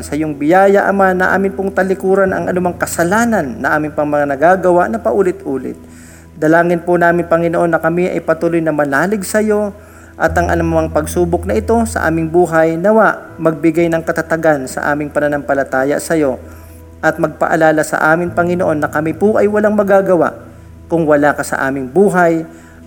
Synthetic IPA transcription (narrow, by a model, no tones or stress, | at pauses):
nsɐjʊŋbɪjaːjɐʔɐmanːɐʔa̰ːmɪnpʊŋt̪ɐlɪkuːɾɐnɐ̰ŋʔɐnʊmaŋkɐsɐlaːnɐnːɐʔaːmɪnpɐŋmɐŋanɐɡaɡɐwaʔnɐpɐʔuːlɪt̪ʔuːlɪ̰t̪̚ | d̪ɐlaːŋɪnpʊnaːmɪŋpɐŋɪnoʔo̞nːɐkɐmiʔɐ̰jpɐt̪uːlojnɐmɐlaːlɪɡ̚sɐjo̞ | ʔɐt̪ʔɐŋʔɐ̰nmʊmaŋpɐɡ̚suːbok̚nɐʔɪt̪o̞sɐ̰ʔa̰ːmɪŋbuːɦɐjnɐwaʔmɐɡ̚bɪɡajnɐŋkɐt̪ɐt̪ɐɡansɐ̰ʔa̰ːmɪŋpɐnɐnɐmpɐlɐt̪aːjɐ̰sɐjo̞ | ʔɐt̪̚mɐɡ̚pɐ̰ʔɐ̰laːlɐsɐ̰ʔaːmɪŋpɐŋɪnoʔo̞nːɐkɐmɪpʊʔɐjwɐlaŋmɐɡaːɡɐwa̰ʔ | kʊŋwɐlaːkɐsɐ̰ʔa̰ːmɪŋbuːɦɐj